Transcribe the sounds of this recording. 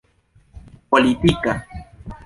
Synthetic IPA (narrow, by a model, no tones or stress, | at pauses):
polit̪ika